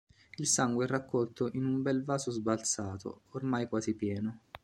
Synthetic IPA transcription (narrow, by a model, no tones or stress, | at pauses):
ilsaŋɡweɛrːakːɔlt̪oʔinumbɛlvaːzozbalt̪saːt̪o̰ːrmajkwaːzipjɛːno